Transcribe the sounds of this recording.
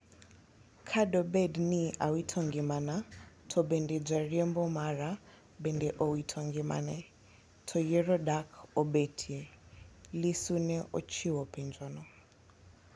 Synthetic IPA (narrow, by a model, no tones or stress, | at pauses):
kʰadɔbɛdniʔawitʰɔŋɡimana | tʰɔbɛndɛd͡ʒʷaɾiɛmbɔmaɾa | bɛndɛʔɔwitʰɔŋɡima̰nɛ | tʰɔjɛɾɔdakʰɔbetʰiɛ | lisunɛʔɔt͡ʃʰiwɔpʰɛnd͡ʒɔnɔ